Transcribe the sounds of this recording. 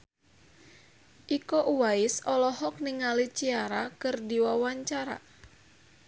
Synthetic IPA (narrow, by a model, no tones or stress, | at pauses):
ʔikɔʔuwaɪsɔlɔɦɔk̚niŋalit͡ʃiaɾakɨrdiwawaɲt͡ʃaɾa̰